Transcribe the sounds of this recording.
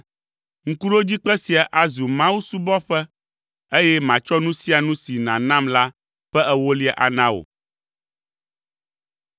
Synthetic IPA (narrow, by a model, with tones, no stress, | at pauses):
ŋ̩˨ku˦ɖo˦d͡ʑi˦k͡pɛ˦si˨a˨ʔa˨zu˨mã˦wu˦su˦bɔ˦ɸɛ˦ | e˦jɛ˦mã˨t͡ʃɔ˦nũ˦si˦a˨nũ˦si˨nã˨nã˦mla˦ | ɸɛ˦ʔɛ˦wo˦li˦ɛ˦ʔa̰˨nã˦wo̰˨